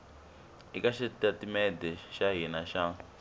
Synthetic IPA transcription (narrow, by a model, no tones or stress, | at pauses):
ikaʃɛtatimɛdɛʃaɦinaʃa